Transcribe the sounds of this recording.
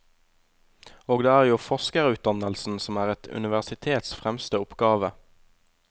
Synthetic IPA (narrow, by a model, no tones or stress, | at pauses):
oːɡd̪eːæːʁjuːfɔʁskəʁʉːt̪̚d̪ɑnəlsn̩sɔmæːʁɛt̪ʰʉ̰nɪʋæʁsɪt̪ʰeːt̪sfʁɛmst̪əʊpɡɑːʋə